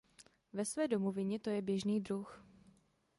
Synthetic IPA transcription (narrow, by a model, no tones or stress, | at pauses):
vɛsvɛːdomovɪɲɛt̪o̞jɛbjɛʒniːdɾux